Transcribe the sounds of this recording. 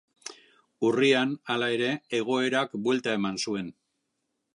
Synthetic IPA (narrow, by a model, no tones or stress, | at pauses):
urianalae̞ɾe̞ːɣ̞o̞e̞ɾakbwe̞lt̪ae̞mansue̞n